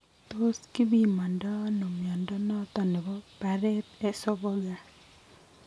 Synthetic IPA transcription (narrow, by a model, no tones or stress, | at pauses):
t̪oskibimandɔnumjɔndɔnɔt̪ɔnɛbɔpaɾɛt̪̚ɛsɔbɔɡa